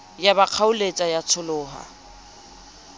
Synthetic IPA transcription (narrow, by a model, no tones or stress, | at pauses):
jabaq͡χʰaʊlet͡sʼajat͡sʰʊlʊːɦa̰